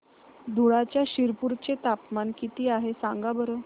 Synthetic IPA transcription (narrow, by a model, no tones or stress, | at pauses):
d̪ʱuɭat͡ɕjaɕiɾpuɾt͡ɕet̪apmankit̪iːaɦesãŋɡabəɾə